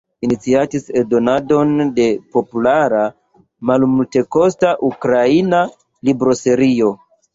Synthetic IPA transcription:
init͡siatisedo̞nado̞nde̞po̞pulaɾa | malmulte̞ko̞staʔukɾaina | libɾo̞se̞ɾio̞

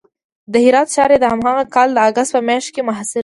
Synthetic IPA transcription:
d̪əhɪɾɑt̪̚t͡ʃɑɾed̪əhamhaɣakɑld̪əaɡast̪̚pəmjɑʃt̪̚kemʊɦasɪɾ

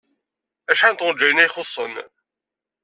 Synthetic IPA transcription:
æʃħænt̪ʊɾd͡ʒːæjənæjχosˤːə̰n

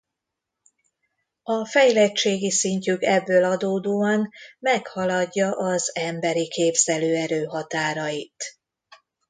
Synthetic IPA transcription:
ɒfɛjlɛt͡ʃeːɡisiɲcykɛbːøːlɒd̪oːd̪oːɒnmɛkhɒlɒɟːɒʔɒzɛmbɛɾikʰeːbz̥ɛløːɛɾøːɦɒt̪aːɾɒjit̪

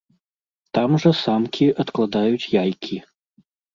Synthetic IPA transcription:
t̪amʐɐsamkʲʰiʔɐt̪klˠad̪ajut͡sʲjajkʲʰi

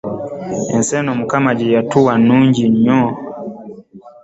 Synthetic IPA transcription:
ɛnsɛnɔmukamad͡ʒijatuwanuɲd͡ʒiɲɔ

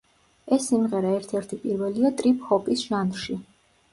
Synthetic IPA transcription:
ɛsːimʁɛɾaɛɾt̪ʰɛɾt̪ʰipʼiɾvɛliat̪ʼɾipʰhɔpʼisʒ̥anʃi

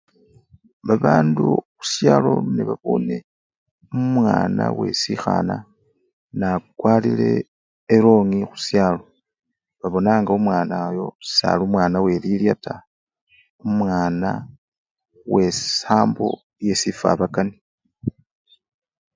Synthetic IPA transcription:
βaβaːnduxu̥sjaːlo̞neβaβo̞̰ne̞ | umwaːnawe̞̰sixa̰na | nakwaːlḭle̞̰ː | ɾo̞ŋixu̥sjaːlo̞ | βaβo̞naːŋɡaumwaːnajo̞̥sa̰ːlumwaːnawe̞liljatʰa | umwaːna | we̞saːmbo̞̰ | je̞sifa̰βakani

